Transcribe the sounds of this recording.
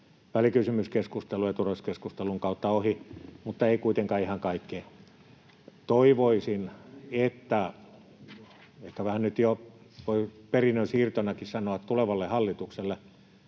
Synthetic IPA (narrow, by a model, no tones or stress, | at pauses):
ʋælikysymyskeskust̪elujɑt̪uroskeskust̪eluŋkɑˑut̪ːɑohimut̪ːɑeikuit̪eŋkɑːihɑŋkɑikːe | t̪oiʋoisinet̪ːæ | ehkæʋæhænnyt̪jo | ʋoiperinːønsiːrt̪onɑkissɑnoɑt̪t̪uleʋɑlːehɑlːit̪ukselːe